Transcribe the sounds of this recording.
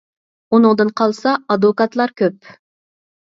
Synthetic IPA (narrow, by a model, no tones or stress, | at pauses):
unɨŋd̪ɨnqʰɑlˠsɑɑd̪vokɑt̪lˠɑɾkʲøp̚